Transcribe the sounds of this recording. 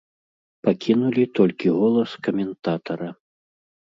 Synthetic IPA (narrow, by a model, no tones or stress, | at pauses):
pakʲinulʲit̪ɔlʲkʲiɣɔlˠɐskɐmʲɛnt̪at̪ɐɾɐ